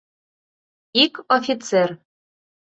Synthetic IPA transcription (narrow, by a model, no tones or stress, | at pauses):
ikofʲit̪t͡ser